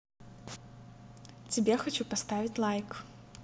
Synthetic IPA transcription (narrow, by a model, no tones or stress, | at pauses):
t͡sʲɪbʲɛxat͡ɕupast̪avʲit͡sʲlˠajk